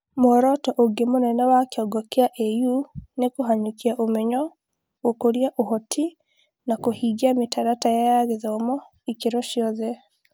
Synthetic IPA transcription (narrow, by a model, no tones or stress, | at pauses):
moɾɔtɔʔoɡemonɛnɛwakeɔɡɔkeaʔejunekoɦaɲukiaʔomɛɲɔ | okoɾiaʔohɔtʰi | nakohiɡiametaɾatajajaɣeðɔomɔ | ikeɾɔʃjɔðɛ